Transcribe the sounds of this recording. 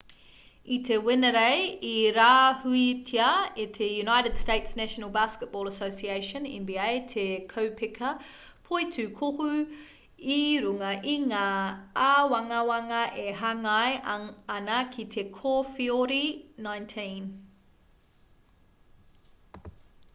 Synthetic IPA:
it̪ʰewɪnəɾejiɾaːhuitʰiɐetʰejunajɾɨd̥steɪtsnæʃənəlˠbæskət̚b̥ɔːlˠəsoʊsieɪʃə̃nɛ̰̃nbiejtʰekʰowpʰɪkʰɐ | pʰojtʰʉkʰohu | iɾuŋɐʔiŋaːawɐŋɐwɐŋɐʔeɦɐŋajɐnɐkʰitʰekʰofioɾinãj̃ntʰĩn

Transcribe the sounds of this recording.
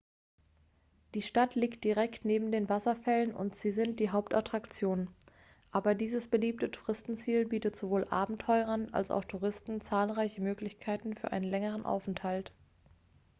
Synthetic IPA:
d̥iːʃtatʰliːkt̚d̥iʁɛktneːbm̩deːnvasɐfɛlənʊ̰ntz̥iːzɪnt̚d̥iːɦaʊp̚tʔa̰tʁ̥akt͡sjoːn | ʔaːbɐdiːzəsb̥əliːp̚tətʰu̥ʁɪstn̩t͡siːlbiːtətz̥ovoːlʔa̰ːbm̩tʰɔʏʁɐna̰lsa̰ʊxtʰuʁɪstn̩t͡saːlʁaɪçəmøːklɪçkʰaɪtn̩fyːɐʔa̰ɪnənlɛŋəʁənʔa̰ʊfɛnthalt

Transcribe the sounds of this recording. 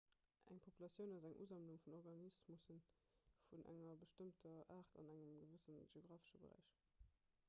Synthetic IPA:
ʔæ̰ŋpʰopulɑsjəʊnɑzæŋʔṵzɑmluŋfunɔʁɡɑnismusən | funʔæ̰ŋɐbəʃtəmtʰɐʔaːʁtɑ̰næŋəmɡəvəsənʒeoɡʁaːfə̥ʃəbə̰ʁæ̰ɪʃ

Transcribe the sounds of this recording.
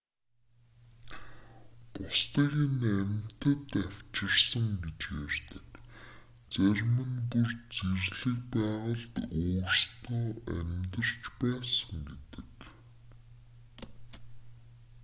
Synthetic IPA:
pʊst̪iːɣinæmʲt̪ə̆t̪æw̥t͡ɕɪ̆rsə̆ŋɡet͡ɕjærʲt̪ɘ̥̆k | t͡særʲmɘ̆npurt͡serɮɘ̆kpæːʁə̆ɮt̪oːrst̪ʰɔːæmʲt̪ə̆r̥t͡ɕpæːsə̆ŋɡet̪ɘ̥̆k

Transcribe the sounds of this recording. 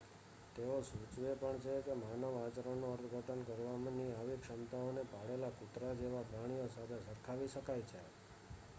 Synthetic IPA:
t̪eosut͡ʃʋepəɳt͡ʃʰekemanəʋat͡ʃɾənoəɾt̪ʰɡʱəʈənkəɾʋamniaʋikʂəmt̪aonepaɽelakʊt̪ɾad͡ʒeʋapɾaɽ̃ijosat̪ʰesəɾkʰaʋiʃəkajt͡ʃʰe

